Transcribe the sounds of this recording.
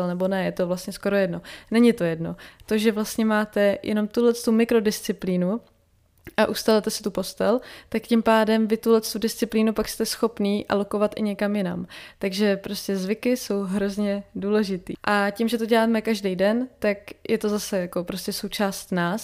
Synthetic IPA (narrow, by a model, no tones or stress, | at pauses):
ɛlnɛbo̞nɛjɛt̪ovlast̪ɲɛsko̞ɾo̞jɛdno̞nɛɲɪt̪o̞jɛdno̞̰t̪o̞ʒɛvlast̪ɲɛmaːt̪ɛjʔɛ̰no̞mt̪ulɛt͡st̪umɪkɾo̞dɪst͡sɪpliːnu | ʔaʔust̪alɛt̪ɛsɪ̥t̪upo̞st̪ɛlt̪akcɪmpaːdɛmvɪt̪ulɛt͡st̪udɪst͡sɪpliːnupakst̪ɛsxo̞pniːʔa̰lo̞ko̞vat̪ʔɪɲɛkamjɪna̰mt̪aɡʒɛpɾo̞scɛzvɪkɪso̞wɦɾo̞zɲɛduːlɛʒɪt̪ḭːʔacɪmʒɛt̪oɟɛlaːmɛkaʒdejdɛnt̪akjʔɛt̪o̞zasɛjako̞pɾoscɛso̞wt͡ʃaːst̪naːs